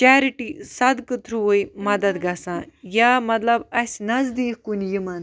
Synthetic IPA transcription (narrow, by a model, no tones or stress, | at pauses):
t͡ʃaːɾiʈisɐd̪kɨt̪ʰɾuojmɐd̪ɐd̪ɡɐsãːjamɐt̪lɐbɐsʲnɐzd̪iːkkunjimɐn